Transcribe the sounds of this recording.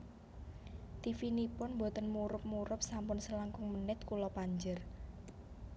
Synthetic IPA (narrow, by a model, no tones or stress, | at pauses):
t̪ifinipʊnmbo̤t̪ənmuɾʊp̚muɾʊp̚sampʊnsəlaŋkʊŋmənɪt̪̚kulɔpaɲd͡ʒər